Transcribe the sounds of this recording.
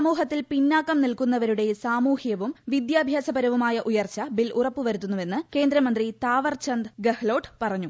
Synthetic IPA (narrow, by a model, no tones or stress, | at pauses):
muːɦɐt̪ːilpinːaːkːɐmnilkunːɐʋɐɾuɽe̞saːmuːhjɐʋumʋid̪jaːbʱjaːsɐbɐɾɐʋumaːjɐʔujɐrt͡ɕːɐbilʔurɐpːuʋɐɾut̪ːunːuʋe̞nːɨke̞ːnd̪ɾɐmɐnd̪rit̪aːʋɐrt͡ɕɐnd̪ɡɐhlo̞ːʈɨpɐrɐɲːu